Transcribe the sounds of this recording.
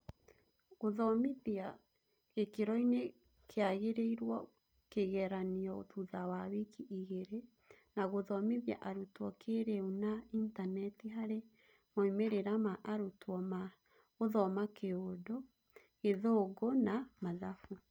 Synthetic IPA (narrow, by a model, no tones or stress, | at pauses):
ɣoðɔmeðia | ekeɾɔine | kʰeaɣeɾeiɾwɔ | keɣɛɾaniɔotuðawawekʰiʔiɣeɾe | naɣoðɔmeðja̰ʔaɾutwɔkʰeɾeunaintanɛtiɦaɾe | moimeɾeɾamaʔaɾotwɔma | oðɔmakʰeodo | eðoɡonamaðafu